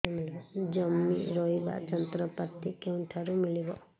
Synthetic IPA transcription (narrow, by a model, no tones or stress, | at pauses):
milɔd͡ʒɔmːḭɾɔiba̰d͡ʒɔnt̪ɾɔpaɾt̪ikeuɳʈʰaɾumilibɔ